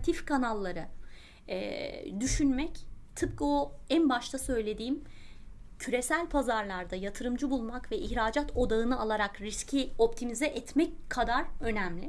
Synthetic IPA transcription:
t̪ʰifkanalˠːaɾɯ | ɛ̰d̪yʃynmɛct̪ʰɯp̚kɯoænbaʃt̪ʰˠasø̞jlʲe̞d̪iːm | cʰyɾe̞sælʲpʰazaɾlˠaɾd̪ajat̪ʰɯɾɯmd͡ʒɯbulˠmakvɛʔiçɾaːd͡ʒat̪ʰo̞d̪aɯnɯalˠaɾakɾiscʰio̞pt̪ʰimizɛʔɛt̪mɛckʰːad̪aɾø̞nɛmlʲɪ

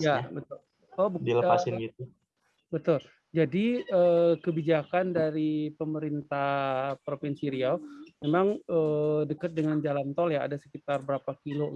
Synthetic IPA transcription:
jabət̪ʊl | kabuilaəasɪɡit̪u | bət̪ʊl | d͡ʒadiəːkəbid͡ʒakandaɾipəməɾint̪ahpɾofinsiɾiamemaŋədəkət̪̚dəŋand͡ʒalant̪ɔlja̰ːdasə̥kit̪arbəɾapakilo

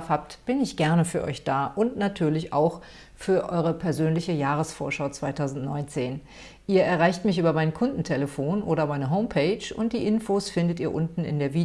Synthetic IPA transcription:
fhaːp̚tb̥ɪnɪçɡ̥ɛɐnəfyːɐʔɔ̰ʏçd̥aːʔʊntnatʰyːɐlɪça̰ʊx | fyːɐʔɔʏʁ̞əpʰɛɐzøːnlɪçəjaːʁ̞əsfo̰ːɐʃaʊt͡sv̥aɪtʰaʊzn̩tnɔʏnt͡seːn | ʔiːɐʔɛɐʁaɪçtmɪçʔyːbɐmaɪnkʰʊndn̩tʰɛləfoːnʔoːɾɐmaɪnəɦoʊmpʰɛɪt͡ʃʊ̰nt̚d̥ḭːʔɪnfoːsfɪndətiːɐʔʊntn̩ɪ̰ndeːɐviː

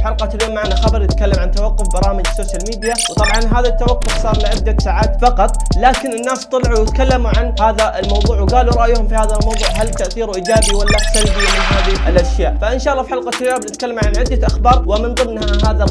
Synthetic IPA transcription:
ħalqɑljoːmːaʕnaxabɑɾˤjɪt̪kalːamʕant̪awɑqːʊfbɑɾˤɑːmɪd͡ʒsoːʃjalmiːd̪jawt̪ˤɑbʕɑnɦaːðat̪ːawɑqːʊfsˤɑːɾˤlɪʕɪd̪ːasaʕaːt̪fɑqɑt̪ˤlaːkɪnɪnːaːst̪ˤɑlʕuwjɪt̪kalːamuʕanhaːðaʔɪlmɑwðˤuːʕwɡaːluɾˤɑʔjhʊmfihaːðalmɑwðˤuːʕɦalt̪ːaʔθiːɾuʔiːd͡ʒaːbiwalːaħsanb̪imɪnhaːðiʔɪlʔaʃjaːʔfaʔɪnʃaːʔɑlːɑːfiħalqɑljoːbnɪt̪̚kalːamʕanʕɪd̪ːaʔaxbɑːɾˤwɪmɪnðˤɨnːhaɦaːða

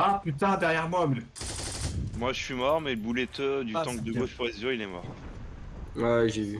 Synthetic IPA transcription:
apyt̪ãd̪ɛʁjɛʁmwaml | mwaʒəsɥimɔʁmɛləbulɛt̪ød̪yt̪ɑ̃kd̪əoʃpwɛzøilɛmɔ̰ʁ | wɛʒevy

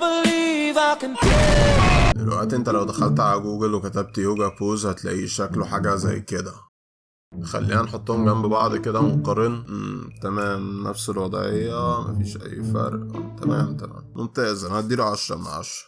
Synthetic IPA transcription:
bəliðaknte | d̪elwæ̰ʔt̪iʔent̪ælæwd̪æxælt̪ʕalæɡuːɡelwekæt̪æb̚t̪joːɡæpoːzhæt̪læ̰ʔḭːʃækleħaːɡæzæ̰jːked̪æ | xæ̰lːiːhænħot̪ˤːohomɡæmbbɑʕd̪ˤked̪æmoqɑɾˤːenʔt̪æmæːmnæfselwɑd̪ˤʕejːæmæ̰fiːʃʔæ̰jːfæ̰ɾˤʔt̪æmæ̰mt̪æmæ̰ːmmomt̪eʔezʔænæd̪iːɾʕaʃːæ̰ma̰ʕa̰ʃ

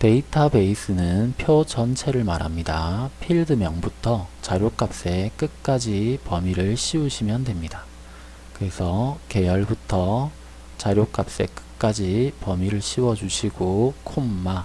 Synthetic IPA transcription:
te̞itʰabe̞is͈ɯnɯnpʰjot͡ɕʌnt͡ɕʰe̞ɾɯɭmaɾɦa̰mɲidapʰiɭdɯmjʌŋbutʰʌt͡ɕaɾjok͈ap̚s͈e̞k͈ɯk͈ad͡ʑipʌmiɾɯɭɕʰiuɕʰimjʌndwe̞mɲida | kɯɾe̞sʰʌke̞jʌɭbutʰʌ | t͡ɕaɾjok͈ap̚s͈e̞̰k͈ɯ̥k̚k͈ad͡ʑipʌmiɾɯɭɕʰiwʌd͡ʑuɕʰiɡokʰomːa

